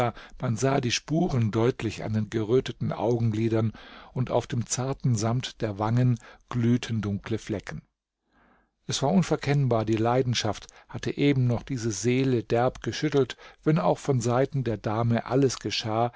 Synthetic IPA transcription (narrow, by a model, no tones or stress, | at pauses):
manzaːdiːʃpuːʁəndɔʏtʰlɪça̰ndeːnɡəʁøːtətn̩ʔa̰ʊɡŋ̩ɡliːdɐnʊnta̰ʊfd̥eːmt͡saɐtn̩zamtd̥eːɐvaŋənɡ̥lyːtʰn̩dʊŋkləflɛkn̩ | ʔɛsv̥aːɐʔʊnfɛɐkʰɛnbaːɐdiːlaɪdn̩ʃafthatəʔeːbm̩nɔχd̥iːzəzeːlədɛɐpɡ̥əʃʏtl̩tv̥ɛna̰ʊxfɔnzaɪtn̩deːɐdaːməʔaləsɡ̥əʃaː